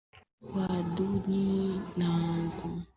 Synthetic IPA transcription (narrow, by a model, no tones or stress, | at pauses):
waduɲinãɡɔ̃